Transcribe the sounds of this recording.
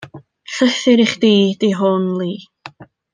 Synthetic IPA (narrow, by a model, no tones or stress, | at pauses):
ɬəθɪɾiχd̥iːdiɦɔnlˠiː